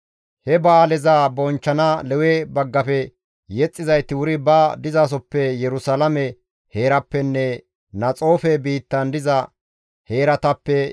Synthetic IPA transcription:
hɛbaːlɛzaːbɔnt͡ʃːɐnalɛwebɐɡːɐfɛ | jɛt͡sʼːɪzɐjt̪ːɪwʊɾɪbɐd̪ɪzaːs̬ɔpːɛjɛɾʊsɐlɐmɛ | he̞ːɾɐpːɛnːɛ | nɐt͡sʼo̞ːfɛbiːt̪ːɐnd̪ɪzɐ | he̞ːɾɐt̪ɐpːɛ

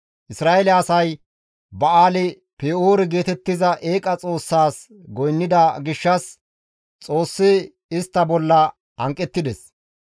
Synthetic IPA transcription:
ʔɪsɾaːelɛɐsɐj | bɐaːlɪ | peːoːɾɛɡe̞ːt̪ɛt̪ːɪzɐʔe̞ːkʼɐt͡sʼo̞ːsːaːs | ɡɔjnːɪd̪ɐɡɪʃːɐs | t͡sʼo̞ːsːɪ | ɪst̪ːɐbɔlːɐ | hɐŋkʼːɛt̪ːɪd̪ɛs

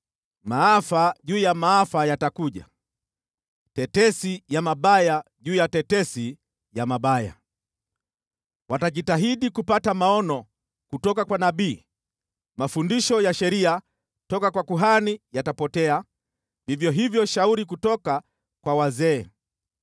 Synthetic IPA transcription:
maafaʄuːjamaafajatakuʄa̰ | tɛtɛsijamaɓajaʄuːjatɛtɛsi | jamaɓaja̰ | wataʄitaɦiɗikupatamaɔnɔ | kutɔkakwanaɓiː | mafundiʃɔjaʃɛɾia | tɔkakwakuɦanijatapɔtɛa | vivjɔɦivjɔʃauɾik̬utɔka | kwawazɛː

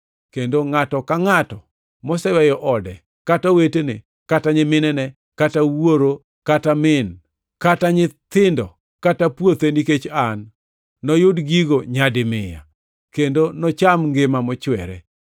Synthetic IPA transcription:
kendoŋatɔkaŋatɔ | mɔsɛwɛjɔʔɔdɛ | katawetenḛ | kataɲɪmɪnɛnɛ | katawoɾo | katamɪn | kataɲɪt̪ɪndɔ | katapwot̪eniket͡ʃanː | ɔjʊdɡiɡoɲadɪmɪja̰ | kendonɔt͡ʃamŋɡɪmamɔt͡ʃwɛɾɛ̰

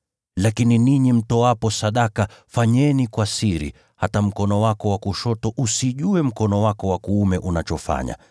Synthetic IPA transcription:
lakininiɲim̩tɔwapɔsaɗakafaɲɛnikwasiɾḭ | hatam̩kɔnɔwakɔwakuʃɔtɔʔusiʄuɛm̩kɔnɔwakɔwakuumɛʔunat͡ʃɔfa̰ɲa̰

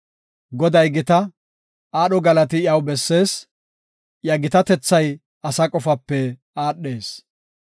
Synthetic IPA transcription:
ɡɔd̪ɐjɡɪt̪ɐ | aːɗɔɡɐlɐt̪ɪjɐwbɛsːe̞ːs | jɐɡɪt̪ɐt̪ɛt͡sːɐj | ɐsɐkʼɔfɐpːɛ | aːɗːe̞ːs

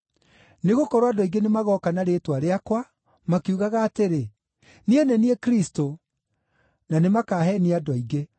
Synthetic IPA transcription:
neɣokɔɾoadɔiɡenemaɣɔkanaɾetwaɾeakwa | makiuɣaɣaːteɾe | nienɛniekɾisto | nanemakaːɦɛniadɔiɡe

